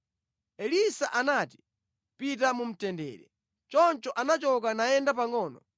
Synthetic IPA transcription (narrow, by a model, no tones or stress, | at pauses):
ɛlisaʔanati̥ | pit̬amum̩tɛndɛ̰ːɾɛ | t͡ʃɔnt͡ʃɔʔanat͡ʃɔk̬anajɛndap̬aŋɔːnɔ